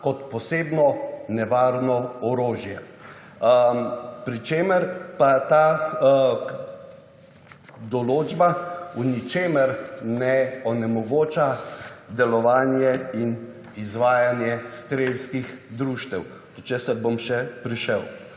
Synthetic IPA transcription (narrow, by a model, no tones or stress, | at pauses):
kɔt̪pɔseːbnɔnɛʋaːɾnɔɔɾoːʒjɛ | pɾit͡ʃeːməɾpat̪aː | d̪ɔloːd͡ʒbaunit͡ʃeːməɾnɛɔnɛmɔɡoːt͡ʃad̪ɛlɔʋaːnjɛin | izʋaːjanjɛst̪ɾelskixd̪ɾuːʃt̪ɛw̪ | ɔt͡ʃesəɾbomʃɛpɾiʃəw